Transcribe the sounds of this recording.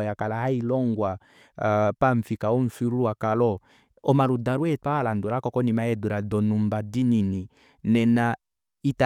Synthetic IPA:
jakalahailɔŋɡwa | paɱfikaɔɱ̩fiɾuuakalɔ | ɔmaɾudaɾwɛtalanduɾakɔkɔnimaɛduɾadɔnumbadinini | nɛna | ita

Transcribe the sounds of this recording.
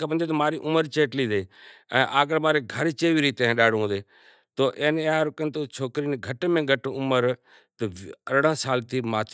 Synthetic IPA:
kabənd̪eːt̪omaːɾiːʔʊməɾt͡ʃeːʈliːd̪eːɛ̰̃ːʔaːɡəɽmaːɾeɡʱəɾt͡ʃeːʋiːɾiːt̪eɦɗaːɽɦõːd̪eː | t̪oːʔẽːnaɾkənt̪oːt͡ʃʰoːkɾiːnɡʱəʈmẽːɡʱəʈʊməɾ | t̪əəɾɽãːsaːlt̪iːmaːt̪ʰ

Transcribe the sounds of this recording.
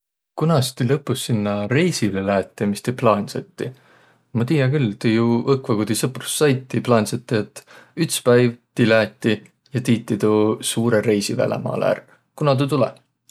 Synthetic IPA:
kunɑst̪ilɤpːˑusːinːɑɾe̞jsilelæːt̪ʲːˑemist̪eplɑːnʲsɑt̪ːi | mɑt̪iːjɑkylt̪ejuɤkvɑɡud̪̥isɤpru̥sːɑjt̪ːiplɑːnʲsɑt̪ːiet̪ːyt̪spæjvt̪ilæːt̪ːˑi | jɑt̪iːt̪ːˑit̪usuːɾeɾe̞jsivæ̰lʔḛmɑ̰ːlæ̰r | kunɑt̪̬ut̪ulḛ

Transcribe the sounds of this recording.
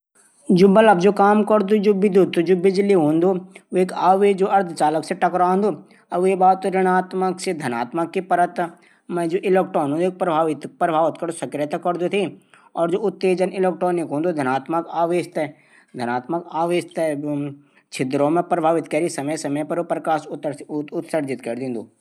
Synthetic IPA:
d͡ʒoːbɐlɐbd͡ʒokaːmkɐɾd̪ud͡ʒobɪd̪ut̪ːud͡ʒoːbɪd͡ʒliɦõːnd̪ooeːkaːʋeːd͡ʒoːɐɾd̪ʰʱt͡ʃaːləkseʈɐkɾãːnd̪o | ɐbebaːt̪ːoɾɪɽ̃aːt̪məksed̪ʱɐna̰ːt̪məkːipɐɾət̪ | mẽd͡ʒoːʔɪleːkʈɔːnɦõnd̪oek̚pɾɐbʱaːʋɪt̪pɾɐbʱaːʋɪt̪kɐɾosɐkɾijət̪akɐɾd̪ut̪ʰi | ɔːɾd͡ʒoʊt̪ːeːd͡ʒənɪleːk̚ʈoːnɪkɦõːnd̪ud̪ʱɐnaːt̪məkaːʋeːʃt̪ɛ | d̪ʱɐnaːt̪məkaːʋeːʃt̪ | t͡ʃʰɪt̪ɾõmẽpɾɐbʱaːʋɪt̪kɐɾisɐməjsɐməjpɐɾopɾɐkaːʃʊt̪səɾd͡ʒɪt̪kɐɾd̪ĩnd̪uː

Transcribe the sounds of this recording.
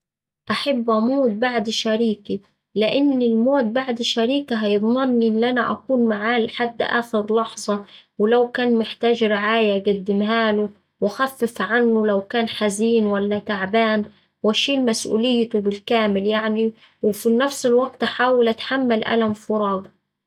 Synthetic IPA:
ʔaħabːʔamoːt̪̚baʕd̪ʃaɾiːki | lɪʔɪnːɪlmoːt̪̚baʕd̪ʃaɾiːkaɦajɨd̪ˤmɑnːʔɪnːʔanaʔa̰kuːnmaʕaːlħad̪ːʔa̰ːxɪɾlɑħzˤɑwɪlawkaːnmɪħt̪aːd͡ʒɾɪʕaːjaɡad̪ːɪmɦaːlʊ | waxafːɪfʕanːʊlawkaːnħaziːnwalːat̪aʕbaːn | waʃiːlmasʔṵːlɪjːt̪ʊbɪlkaːmɪljaʕni | wɪfinafsɪlwaɡ̚t̪ʔaħaːwalʔat̪ħamːalʔa̰lamfʊɾˤɑːd̪

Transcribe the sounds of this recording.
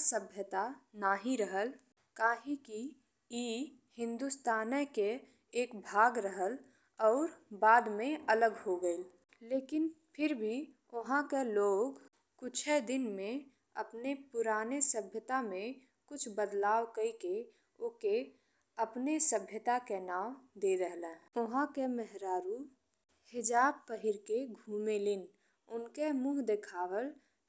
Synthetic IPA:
səbʱjət̪anaːɦĩɾəɦəl | kaːɦĩki | iː | hɪ̃nd̪ust̪aːnəke | eːkbʱaːɡɾəɦəl | ɔːɾbaːd̪mẽələɡhoɡəel | leːkɪnpʰɪɾbʱi | ʊɦãkeloːɡ | kʊt͡ʃʰed̪ɪnmẽ | əpnepʊɾaːnesəbʱjət̪amẽ | kʊt͡ʃʰbəd̪laːwkəike | ʊke | əpnesəbʱjət̪akenaːwd̪eːɾəɦlɛ̃ːʊɦãkemɛɦɾaːɾu | hɪd͡ʒaːb̚pəɦɪɾkeɡʱuːmelɪn | ʊnkemuːɦd̪ekʰaːwəl

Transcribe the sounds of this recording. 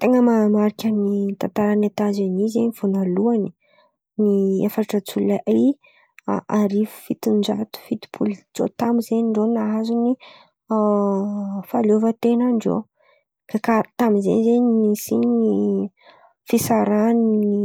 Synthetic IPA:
t̪eŋəmamaɾikʲanit̪ant̪aɾanat̪azanizeɲiv̥onaluani̥ | niḛfaʈ͡ʂət͡sulaʔa̰ | ʔaɾivu̥fit̪ind͡ʒa̰t̪u̥fit̪i̥pʰulit͡so̰t̪amizeɲiɳɖ͡ʐonaazuni | falovət̪enaɳɖ͡ʐo̰ | kakat̪amizḛnzeɲinisini | fisaɾanini

